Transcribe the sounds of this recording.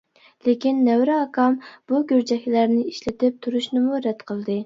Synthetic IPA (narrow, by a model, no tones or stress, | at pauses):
lekʲinːɛwɾɪɑkʰɑmb̥uɡʲøɾd͡ʒɛhʲlæɾnɪiʃlɪt̪ɪp̚t̪ʰuɾuʃnɨmuɾɛt̪qʰəlˠd̪ɨ